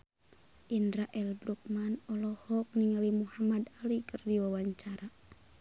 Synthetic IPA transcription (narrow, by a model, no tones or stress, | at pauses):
ʔindɾaʔɛlbɾuk̚manɔlɔhɔk̚niŋalimuhamad̪alikərdiwawaɲt͡ʃaɾa